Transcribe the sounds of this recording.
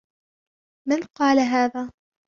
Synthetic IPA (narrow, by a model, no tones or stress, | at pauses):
manqɑːlaɦaːðaː